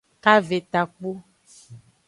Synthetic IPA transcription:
ka˦ve˨t̪a˨k͡po˦

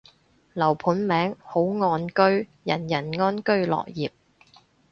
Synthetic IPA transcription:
lɐ˨˩wpʰuː˨˥nmɛː˨˥ŋho˨˥wŋɔː˧nkɵ˥ɥjɐ˨˩njɐ˨˩nŋɔː˥nkɵ˥ɥlɔ̰ː˨˩kjiː˨˩p̚

